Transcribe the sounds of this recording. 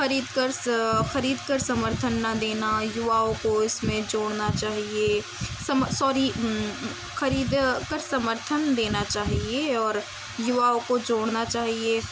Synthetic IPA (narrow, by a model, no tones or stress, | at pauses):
xɐɾiːd̪kəɾxɐɾiːd̪kəɾsɐməɾt̪ʰənːad̪eːnajʊʋaːõkoɪsmẽd͡ʒoːɽnat͡ʃaːɦie | sɐmsɔːɾi | xɐɾiːd̪kəɾsɐməɾt̪ʰənd̪eːnat͡ʃaːɦieɔːɾ | jʊʋaːõkod͡ʒoːɽnat͡ʃaːɦie